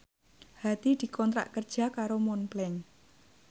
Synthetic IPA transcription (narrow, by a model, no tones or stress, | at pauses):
hat̪id̪̥i̤kɔnt̪ɾa̰ʔkərd̥ʒ̥a̤kaɾomɔnplɛŋ